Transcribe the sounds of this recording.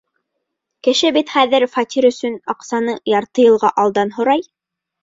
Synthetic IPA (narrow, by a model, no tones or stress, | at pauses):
kɘ̆ʃɘbit̪χæðɘɾfɑt̪ʲiɾɵ̆sɵnɑqsɑnɤjɑɾt̪ɤjɤ̆lˠʁɑʔɑlˠd̪ɑnɦŏɾɑj